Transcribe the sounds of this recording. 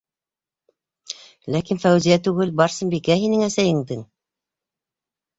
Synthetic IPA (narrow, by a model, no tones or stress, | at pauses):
lækinfæwzijæt̪ʉɣɘlbɑɾsɤ̆nbikæɦinɘŋæsæjɘ̆ŋd̪ɘŋ